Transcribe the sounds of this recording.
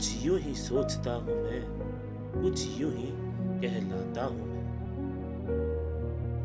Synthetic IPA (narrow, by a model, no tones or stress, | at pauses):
ʊt͡ʃʰjũɦĩsoːt͡ʃt̪aɦʊ̃ʋɛ̃ː | kʊt͡ʃʰjũɦĩ | kɛɦlãːt̪aɦʊ̃